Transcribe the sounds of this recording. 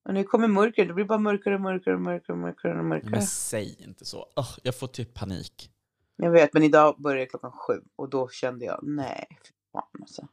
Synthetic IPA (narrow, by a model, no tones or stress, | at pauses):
ʔɔnækʰɔmːəɾmɵɾkəd̪ɔblɪbɑːɾamœɾkaɾəɔmœɾkaɾəɔmœɾkaɾɔmœ̰ɾkaɾɛnɔmœ̰ɾkaɾəsɛjɪ̰nt̪ə̥sɔ̰ɔhjɑːɡfoːʈʰyppʰanḭːk | jaːɡveːt̪̚mɛnɪd̪ɑːbœɾjaklɔkːanɧʉ̟̰ːɔd̪ɔɕɛnd̪əjɑ̰ːnɛ̰f | fa̰nasɔ